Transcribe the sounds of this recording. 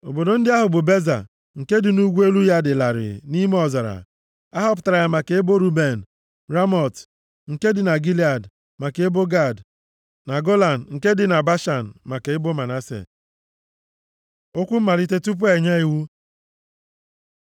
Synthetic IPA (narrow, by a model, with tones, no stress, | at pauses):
o˨bo˨do˨˦n̩˦dɪ˦a˦ɦʊ˨bʊ˨be˦za̰˨ | ŋ̩˨ke˦dɪ˨nu˦ɡʷu˦e˦lu˦ja˦dɪ˨la˨ɾɪ̰˨ni˦me˦ɔ˨za˨ɾa̰˨ | a˦ɦɔ˦p̬ʊ˨ta˨ɾa˨ja˦ma˨ke˨ɪ˦bo˦ɾu˦be˨n̩˨ | ɾa˦mɔ˨t | ŋ̩˨ke˦dɪ˨na˨ɡi˦li˦a˨d | ma˨ke˨e˦bo˦ɡa˦˨d | na˨ɡo˦la˨n̩˨ŋ̩˨ke˦dɪ˨na˨ba˦ʃa˨n̩˨ma˨ke˨ɪ˦bo˦ma˨na˦sḛ˨ | o˦kʷu˦m̩˦ma˨li˦te˦tu˦p̬u˦e˨ɲa˦i˨wu˦